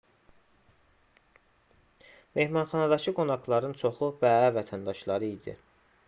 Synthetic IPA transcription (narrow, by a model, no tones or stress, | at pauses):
me̞hmɑnχɑnɑd̪ɑcʰɯɡo̞nɑɡlˠɑɾɯnt͡ʃʰo̞χubæævæt̪ʰænd̪ɑʃlˠɑɾɯid̪ḭ